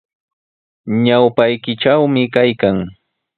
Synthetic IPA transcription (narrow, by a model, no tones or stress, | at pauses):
ɲawpajkɪʈ͡ʂawmɪkajkaŋ